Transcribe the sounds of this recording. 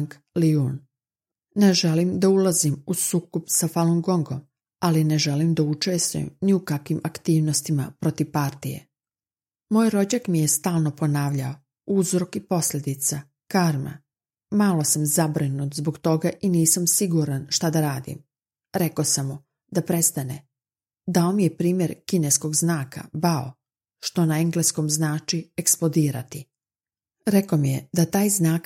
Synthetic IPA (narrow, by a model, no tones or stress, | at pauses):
ŋk | liun | neʒe̞limd̪aulazimusuːkopsafalˠoŋɡoŋɡo̞m | aline̞ʒelimd̪aut͡ʃest̪ṵjḛmniukakʋimakt̪iːʋnost̪imapɾo̞t̪iʋpaɾt̪ijḛ | mojɾo̞d͡ʑakmije̞st̪aːlˠno̞po̞naːʋʎao | uzɾo̞kipo̞slʎʲe̞d̪it̪sa | kaɾma̰ | malˠo̞samzabɾinut̪zboɡt̪o̞ɡaʔiniːsamsiɡuɾanʃt̪ad̪aɾaːd̪ḭm | ɾe̞kosamːu | d̪apɾe̞st̪ane | d̪aomije̞pɾiːmje̞ɾkinesko̞ɡznaːka̰bao̰ | ʃt̪o̞naeŋɡlesko̞mznaːt͡ʃieksplod̪iːɾa̰t̪i | ɾe̞ko̞mijed̪at̪aːjznaːk